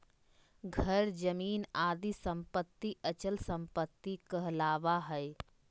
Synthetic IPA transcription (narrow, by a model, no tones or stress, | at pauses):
ɡʱəɾd͡ʒəmiːnaːd̪isə̃mpət̪ːiʔət͡ʃəlsə̃mpət̪ːikəɦlaːʋaɦɛɪ